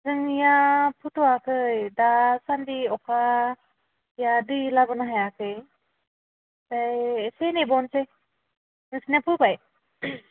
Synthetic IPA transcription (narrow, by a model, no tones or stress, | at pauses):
zɯŋijapʰɯtʰuakʰɯjdasandiɔkʰa | jadɯjlabɯnaɦajakʰɯj | z̥ajsenebɔnse | nɯsnapʰɯbaj